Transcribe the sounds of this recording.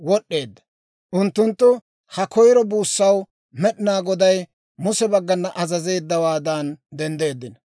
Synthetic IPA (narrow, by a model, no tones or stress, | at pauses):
wɔɗːe̞ːd̪ːɐ̥ | ʔʊnt̪ːʊnt̪ːʊ | hɐkɔjɾɔbuːsːɐw | mɛɗɪnaːɡɔd̪ɐj | mʊsɛbɐɡːɐnːɐʔɐzɐze̞ːd̪ːɐwaːd̪ɐnd̪ɛnd̪e̞ːd̪ːɪnɐ